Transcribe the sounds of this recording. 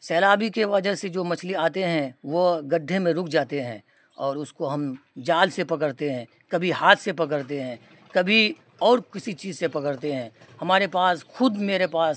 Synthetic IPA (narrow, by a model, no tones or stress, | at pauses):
sɛːlaːbikeʋɐd͡ʒəɦsed͡ʒoːmɐt͡ʃʰliaːt̪eɦɛ̃ʋoɡɐɖʱemẽɾʊkʰd͡ʒaːt̪eɦɛ̰̃ː | ɔːɾʊskoɦɐmd͡ʒaːlsepɐkəɾt̪eɦɛ̃ | kɐbʱiɦaːt̪ʰsepɐk̬əɾt̪eɦɛ̃ː | kɐbʱi | ɔːɾkɪsit͡ʃiːzsepɐkəɾt̪eɦɛ̃ː | hɐmaːɾepaːsxʊd̪meːɾepaːs